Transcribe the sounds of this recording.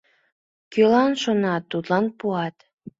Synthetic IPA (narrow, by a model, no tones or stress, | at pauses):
kølɑnʃonɑt̪ːut̪lɑnpuɑt̪